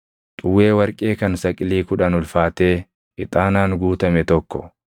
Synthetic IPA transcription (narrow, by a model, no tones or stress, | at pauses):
t̪ʼʊwːeːwɐɾkʼeːkɐnsɐkʼɪliːkʊᶑɐnʊlfaːt̪e̞ː | ʔɪt̪ʼaːnaːŋɡuːt̪ɐmɛt̪ɔkːɔ̰